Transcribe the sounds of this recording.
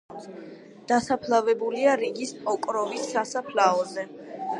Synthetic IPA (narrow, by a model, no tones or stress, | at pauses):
d̪̥asapʰlˠavɛbuliaɾiɡispʼɔkʼɾɔvisːasapʰlaɔzɛ